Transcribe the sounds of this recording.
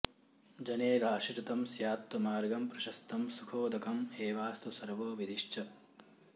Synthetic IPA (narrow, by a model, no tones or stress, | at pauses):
d͡ʒɐneːɾaːʂiɾɐt̪ɐmsjaːp̚t̪ːɐmaːɾɡɐmpɾɐʃɐst̪ɐmsukʰoːd̪ɐkʰɐmeːʋaːst̪usɐɾʋoːʋid̪iʃt͡ʃʰɐ